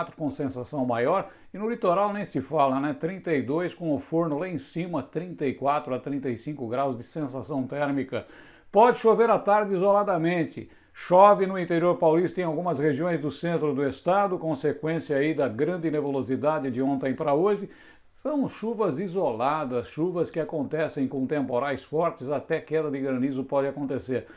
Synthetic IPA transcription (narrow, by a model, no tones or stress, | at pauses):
t̪ɾʊkõsẽsasɐ̃w̃majɔɾ | ɪnʊlit̪oɾawnẽj̃sɪfalɐnɛt̪ɾĩnt̪ɐid̪ojskõw̃ʊfoɾnʊlaẽsĩmɐt̪ɾĩnt̪ɐikwat̪ɾʊɐt̪ɾĩnt̪ɐjsĩkʊɡɾawzd͡ʒɪsẽsasɐ̃w̃t̪ɛɾmikɐ | pɔd͡ʒɪʃoveɾat̪aɾd͡ʒɪizolad̪ɐmẽnt͡ʃ̪ɪ̰ | ʃɔvɪnʊĩnt̪eɾioɾpawlist̪ɐẽj̃awɡũmɐsheʒiõj̃zd̪ʊsẽnt̪ɾʊd̪ʊest̪ad̪ʊkõsekwẽsiɐaid̪ɐɡɾɐ̃nd͡ʒ̪ɪnevolozid̪ad͡ʒɪd͡ʒɪõnt̪ẽj̃pɾɐoʒɪ | sɐ̃w̃ʃuvɐzizolad̪ɐsʃuvɐskɪakõnt̪ɛsẽj̃kõt̪ẽmpoɾajsfɔɾt͡ʃɪzat̪ɛkɛd̪ɐd̪ɪɡɾɐ̃nizʊpɔd͡ʒɪakõnt̪eseɾ